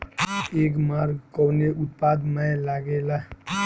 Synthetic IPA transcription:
ek̬maɾɡkɔwneʔut̪̚pad̪məlaɡela

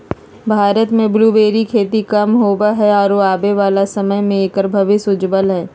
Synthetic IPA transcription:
bʱaːɾət̪mẽbluːbeːɾikʰeːʈ̪ikɐmɦobaɦɛɔːɾʋoaːbeʋaːlasɐməjmẽeːkɾbʱəʋɪsʊd͡ʒbəlɦɛː

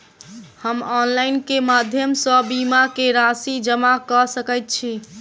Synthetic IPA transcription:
həmɔnlajnkemad̪ʱjəmsə̃bimakeɾasid͡ʒəmakəsəkɛjt̪̚t͡ʃʰi

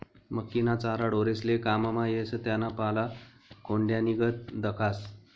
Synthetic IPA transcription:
məkːinat͡saɾaɽoɾeslekamamajesət̪janapala | kʰoɳɖjaniɡət̪̚d̪əkʰas

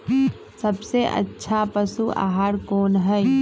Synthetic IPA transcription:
səbseʔə̰tːʃʰapəsua̰ːɦaːɾkoːnɦɛ

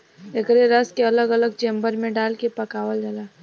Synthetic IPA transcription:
ekɾeɾəskeɐləɡələɡ̚t͡ʃẽːmbəɾmẽɖaːlkepɐkaːʋəld͡ʒalaː

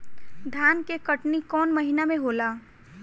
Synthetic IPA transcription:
d̪ʱaːnkekəʈnikɔːnməɦinamẽɦolaː

